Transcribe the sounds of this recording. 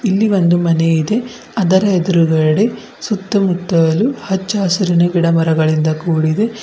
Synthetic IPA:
ilːiʋond̪umɐneid̪e̞ | ɐd̪ɐɾɐed̪uɾuɡɐɽe | sut̪ːɐmut̪ːɐjɐluhɐt͡ʃːaːsɐɾinɐɡiɽɐmɐɾɐɡɐɭind̪ɐkuːɽid̪e

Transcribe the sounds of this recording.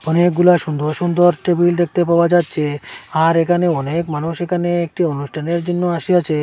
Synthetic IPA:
ɔnek̚ɡulaʃund̪ʱoɾʃund̪ʱoɾʈebild̪ek̚ʰt̪epaoad͡ʑatːɕʰeaɾekʰaneɔnekmanuʃekʰaneek̚ʈionuʃʈʰaneɾd͡ʑonːoaʃiat͡ɕʰe

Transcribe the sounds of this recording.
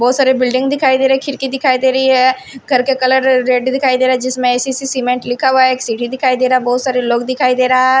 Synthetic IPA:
bɔːt̪saːɾebɪlɖɪ̃ŋɡd̪ɪkʰaːid̪eːɾəeɛkʰɪɾkid̪ɪkʰaːid̪eːɾəiɦɛː | ɡʱəɾkekələɾːeːɖd̪ɪkʰaːid̪eːɾaɛd͡ʒɪsmɛ̃esiːsisiːmẽɳʈlɪkʰaʋeksiʈid̪ɪkʰaːid̪eːɾaaːbɔːt̪saːɾeloːkd̪ɪkʰaːid̪eːɾaːɛ

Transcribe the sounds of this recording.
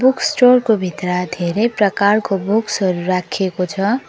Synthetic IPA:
buksʈorkobʱit̪rad̪ʱeɾʌjprʌkarkobuksʌɾuɾakʰekot͡sʰʌ

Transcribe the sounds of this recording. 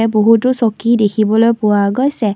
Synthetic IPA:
ɛboɦutʊsokidekʰibɔlojpʊwaɡojsɛ

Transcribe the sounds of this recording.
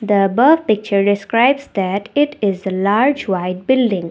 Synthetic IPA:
d̪əbəfpɪk̚t͡ʃəɾɖɪskɾaɪbzd̪æʈɪʈɪzəlaːɾd͡ʒʋaɪɖ̚bɪlɖɪ̃ŋ

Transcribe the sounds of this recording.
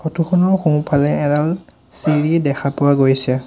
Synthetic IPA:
kʰɔtʰuxʰɔnɔɹxũpʰalɛɛdal | siɹidɛxʰapʊwaɡojsɛ

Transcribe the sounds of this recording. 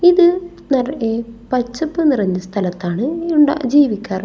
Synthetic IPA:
iðɨ | nɐrepɐt͡ɕːɐpːɨnirɐɲːɐst̪ʰɐlɐt̪ːaːɳɨuɳɖa̰ːd͡ʑiːʋikʲːaːr

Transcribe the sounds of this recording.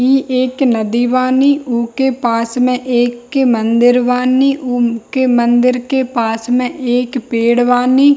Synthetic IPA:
iːʔeːknəd̪iʋaːniːʔʊkepaːsmẽʔeːkːemə̃nd̪ɪɾʋaːniːʔkemə̃nd̪ɪɾkepaːsmẽʔeːkpeːɽʋaːniː

